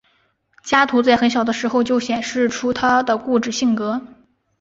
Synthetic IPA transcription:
t͡ɕja˥t̪ʰu˧˥t͡sa˥˩ɪxə˧˥nɕjɑ˨˩ʊd̪ə˦ʂɻ̩˧˥xo˧ʊt͡ɕjo˥˧ʊɕjɛ˨˩nʂɻ̩˥˩ʈ͡ʂʰu˥t̪ʰa˥d̪ə˨ku˥˧ʈ͡ʂɻ̩˥˩ɕi˥˩ŋkɤ˧˥

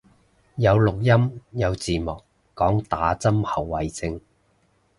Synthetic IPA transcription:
jɐ˨˧wlʊ˨k̚jɐ˥mjɐ˨˧wt͡siː˨mʊː˨k | kɔː˨˥ŋt̪aː˨˥t͡sɐ˥mhɐ˨˩wːɐ˨jt͡sɪ˧ŋ

